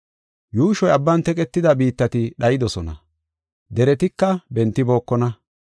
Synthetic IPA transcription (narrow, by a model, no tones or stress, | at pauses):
juːʃɔjɐbːɐnt̪ɛkʼɛt̪ːɪd̪ɐbiːt̪ːɐt̪ɪɗɐjɪd̪ɔsɔnɐ̰ | d̪ɛɾɛt̪ɪkːɐbɛnt̪ːɪbo̞ːkːɔnɐ